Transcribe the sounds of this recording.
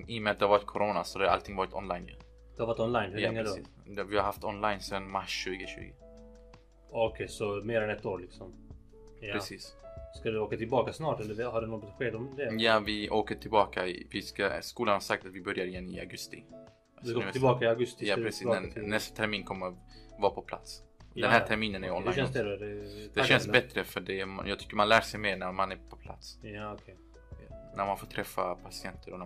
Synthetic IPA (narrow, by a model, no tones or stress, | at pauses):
ɪjəmɛat̪d̪ɛhavɑːɾɪt̪̚kʰɔɾoːnasɔd̪ɛhaɾa̰lt̪ʰɪŋvɑːɾɪt̪ʰɔnlajnjʉ̰ | d̪ɛhavaɾɪt̪ɔnlajnhʉaɛŋːəɛsḭː | d̪ɛvɪhaɾhaft̪ɔnlajnsɛnmaʃːʉ̟ːɡəʃʉ̰ːɡə | ɔkʰɛjsɔmeːɾɛnɛt̪ːoːɾlɪksɔm | ɾɛsiːsskad̪oːkat̪ʰɪlbɑːkasnɑːʈɛlːəɾhaɖɛnɔt̪ːt̪ɧeːd̪ɔmd̪ɛjaːvɪʔoːkəʈʰɪlbɑːkaɪvɪskaskuːlanhaɾsak̚t̪at̪vɪbœɾjaɾɪɛnːḭːa̰ɡɵst̪ɪ | d̪nbɑːkaɪaɡɵst̪japɾɛssiːsnɛnɛst̪ḁt̪ʰɛɾmiːnkʰɔmːəvɑːpʰɔpʰla̰t̪sɛnhæːt̪ʰæɾmiːnənæɾɪɔnːaɛnsd̪ɛɛd̪̥ɛʃɛnsbɛt̪ːɾəfœɖɛma̰njɑːɡ̚t̪ʏ̥kːəɾmanlæːʂɛjmeːɳæɾmanæɾpʰɔ̥pʰla̰t̪skʰ | næɾmanfoːʈt̪ʰɾɛfːa̰pʰasɪɛnt̪ʰəɾɔn